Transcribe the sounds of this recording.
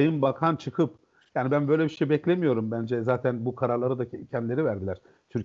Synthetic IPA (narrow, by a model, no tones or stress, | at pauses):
jɯnbakʰant͡ʃʰɯkʰɯp | jaːnibænbø̞jlʲɛbiʃejbɛclʲemijo̞ɾumbænd͡ʒɛzaːt̪ʰænbukʰaɾaɾlˠaɾɯd̪acʰɛnd̪ilʲe̞ɾivæɾd̪ilʲæɾ̥ | t̪ʰyɾ